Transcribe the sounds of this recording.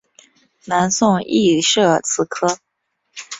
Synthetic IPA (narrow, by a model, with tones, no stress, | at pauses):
na˧˥nsʊ˥˧ŋḭ˥˧ʂɤ˥˩t͡sʰɹ̩˧˥kʰɤ˥